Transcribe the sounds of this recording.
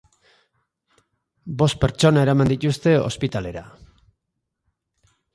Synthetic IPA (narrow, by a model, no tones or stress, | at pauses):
bo̞st̪̚pe̞ɾt͡ʃo̞nae̞ɾamand̪it̪ust̪e̞o̞̰spit̪ale̞ɾa̰